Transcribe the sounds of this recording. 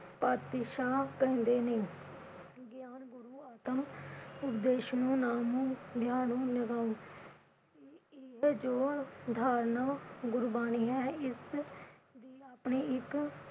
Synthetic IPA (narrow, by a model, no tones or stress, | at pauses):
paːt̪ɪʃaːkɛ̃nd̪eːnẽː | ɡjaːnɡʊɾuːaːt̪əmʊpd̪eːʃnũːnaːmũːd̪ʱjaːnũːnɪɡaːũː | ɪɦd͡ʒoːd̪ʱaːɾnəkɡʊɾbaːniːɦɛːɪs | d̪iːapɳeːɪk